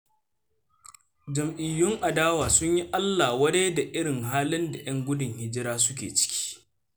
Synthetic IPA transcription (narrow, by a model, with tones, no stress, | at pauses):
d͡ʒɐ˨mʔɪ˨jːʊ˦ŋʔa˨daː˦waː˨sʊ˦ɲji˦ʔa˦lːaː˨wɐ˦de˦da˨ʔɪ˦ɽɪ˨ŋɦaː˦lɪ˦nda˨j̰ɐ˦ŋɡʷʊ˦dʊ˨ŋhɪ˦d͡ʒɪ˦ɾaː˦sʊ˦k̬ʲḛː˨t͡ʃɪ̥˦kʲʰi̥ː˦